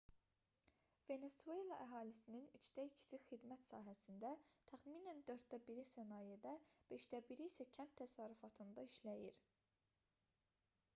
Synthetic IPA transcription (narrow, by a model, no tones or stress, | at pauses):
ve̞ne̞sue̞lˠɑʔæɦɑːlisininyt͡ʃd̪æicʰi̥sixid̪mæt̪sɑ̰ːɦæsind̪æt̪ʰæχmiːnænd̪øɾt̪̚d̪æbiɾisænɑːjed̪æb̥e̞ʃd̪æbiɾisæcʰænt̪ʰːæsɑːɾyfɑt̪ʰɯnd̪ɑiʃlæjḭɾ